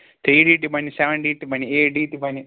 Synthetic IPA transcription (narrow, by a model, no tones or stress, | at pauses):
t̪ʰɾiːɖiːʈːupɐnisɛʋə̃ɳɖiːʈːupɐnieːɖiːʈːupɐni